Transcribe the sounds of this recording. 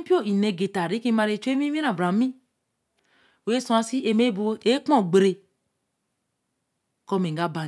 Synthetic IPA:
pi˦o˦˨i˨ne˨ɡe˨ta˨ɾi˦ki˦ma˨ɾe˨t͡ʃe˦mi˦mi˦ɾã˨bɾa˨˦mĩ˦ | we˦sũ˦a˨˦si˦e˨me˦bu˦e˦k͡pɔ˦˨ɡ͡be˨ɾe˨ | kɔ˦me˨ŋɡa˦ba˨

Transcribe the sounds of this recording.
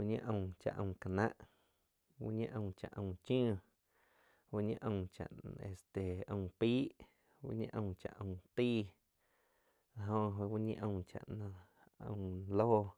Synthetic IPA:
u˦ʔɲĩ˦ʔə̃˧˨t͡ʃa̰˨ʔə̃˧˨ka˨nã˦ʔ | wṵ˦ɲĩ˦ʔə̃˧˨t͡ʃa˨ʔə̃˧˨t͡ʃũ˦˧˨ | wu˦ɲĩ˦ʔə̃˧wt͡ʃa̰˨ʔe˨st̪e˨ə̃˧piː˦ | wṵ˦ɲḭ̃˦ʔə̃˧˨t͡ʃa̰˨ʔə̃˧˨t̪iː˦ | lɦõ˧ɦo˧wu˦ɲḭ̃˦ʔə̃˧t͡ʃa̰˨ʔnã˧ | ə̰̃˧˨loː˦

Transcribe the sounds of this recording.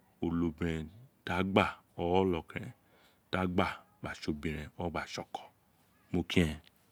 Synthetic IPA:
o˨lo˨bɛ̃˨ta˨˦ɡ͡ba˦˨ɔ˨wɔ˦lɔ˨kɛ̰̃˨ | ta˨˦ɡ͡ba˦˨ | ɡ͡ba˨ʃo˨bĩ˨ɾ̃ɛ̃˨ɔ˦ɡ͡ba˨ʃɔ˨kɔ̥˨ | mo˧kĩ˦ɛ̃˧˨

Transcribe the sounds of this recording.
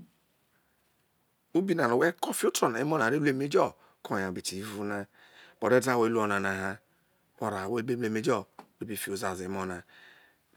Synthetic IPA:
u˦bi˦na˨no˨we˦kɔ˦fi˦o˦tɔ˨na˨i˦mɔ˦na˨ɾe˦lu˦e˦me˦d͡ʒɔ˦˨ | kʰɔ˨ja˨bi˨ti˨i˦vu˦na˦ | b̥ɔ˨ɾe˦da˦˨we˦lu˦ɔ˨na˨na˨ɦa˦ | ɔ˨ɾa˨we˦be˦m˦e˦me˦d͡ʒɔ˦˨u˨˦bi˨fi˨o˨za˨zmɔ˦na˨

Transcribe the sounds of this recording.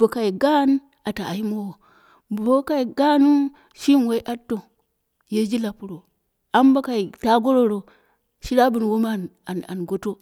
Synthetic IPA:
bo˨ka˨i˨ɡa˦n | a˨ta˨a̰˨ji˦mo˦wo˨ | bo˦ka˦i˨ɡa˦nu˦ | ʃi˦n˨we˦i˦ʔa˦tːo˨ | je˦d͡ʒi˦la˨pu˦ɾo˨ | a˦m˦ba˦ka˨i˨ta˦ɡo˦ɾo˦ɾo˨ | ʃi˦ɾa˦bu˨n˨wo˦ma˦n | a˨a̰˨nɡo˦to˦

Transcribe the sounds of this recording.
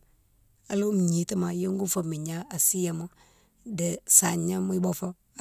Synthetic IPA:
a˨lo˦m̩˨ɲi˨˦tə˦ma˨jo˦ŋɡu˦fo˨mi˨ɲa˦a˨si˦ja˨mo˦ | də˨sa˨ɲə˦mu˦i˦bɔ˦fo˦˨

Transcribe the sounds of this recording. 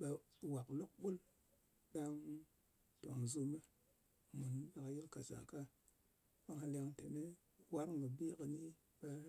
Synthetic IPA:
ɓa˨ | wa˨klo˦k̚ɓu˦l | ɗa˦ŋ | ta̰˨ŋzu˦me˦ | mu˨n˦ɗa˨ka˨ji˦lka˨za̰˨ka˦ | ɓa˦ŋa˨la˨ŋte˨me˦ | wa˦ɾŋɡə˨bi˦kə˨ni˦ | ɓa˦

